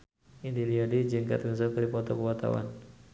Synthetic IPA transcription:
indiliadid͡ʒɨŋka̰t̪kəs̬əkaɾipɔt̪ɔkəwat̪a̰wa̰n

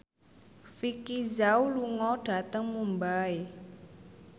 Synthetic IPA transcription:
fikizawuluŋɔɖ̥a̤t̪əŋmumbae

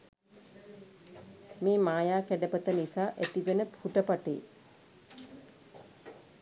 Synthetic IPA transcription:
meːmaːjaːkæɖəpət̪ənisaːʔæt̪iʋenəphuʈəpaʈḛː

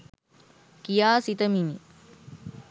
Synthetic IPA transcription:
kijaːsit̪əmini

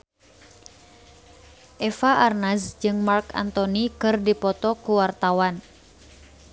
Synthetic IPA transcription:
ʔɛfaʔarnasd͡ʒɨŋmarka̰nt̪ɔnikɨrdipɔt̪ɔkuwart̪awan

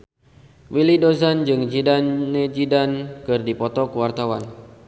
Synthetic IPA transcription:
wilidozand͡ʒɨŋd͡ʒidanːed͡ʒidankɨrdipɔt̪ɔkuwart̪awan

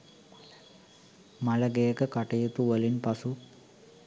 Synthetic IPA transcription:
mɐlɐɡejɐkɐkɐʈɐjut̪ːuʋɐlinpɐsu

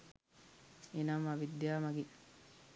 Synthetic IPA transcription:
enamaʋid̪jaːmɐɡi

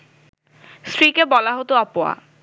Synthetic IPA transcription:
sɾikebɔlaɦot̪oɔpoa̰

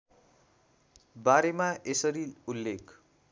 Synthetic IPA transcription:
baɾemaesʌɾiulːekʰ

